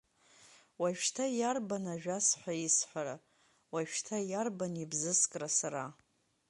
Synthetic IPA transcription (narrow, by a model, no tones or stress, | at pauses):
waʃtʰajarbanaʒᶣasħʷaisħʷaɾa | waʃtʰajarbanibzɨskʼrasaɾa